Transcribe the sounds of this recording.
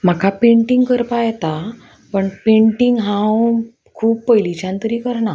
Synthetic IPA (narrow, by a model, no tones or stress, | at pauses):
m̤akʰapẽɳʈiŋɡkəɾpajɛt̪a | pəɳpeɳʈiŋɡɦãw | kʰuːbpəjlit͡ɕãnt̪əɾiːkəɾɳa